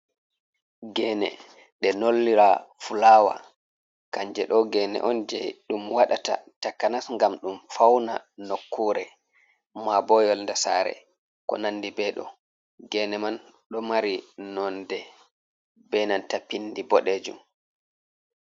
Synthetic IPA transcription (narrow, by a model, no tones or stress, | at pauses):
ɡɛnɛ̰ | ɗɛnolːiɾafulaːwa̰ | kaɲd͡ʒɛɗɔɡɛːnɛ̰ʔɔnd͡ʒɛ̰jɗumwaɗata̰takːanasŋɡamɗumfawna̰nokʰːuɾɛ | mabɔjɔlndasa̰ːɾɛ̰ | kɔ̰nanːdibɛɗɔ̰ | ɡɛnɛman | ɗɔmaɾinɔndɛ | bɛnantapindibɔɗeːd͡ʒum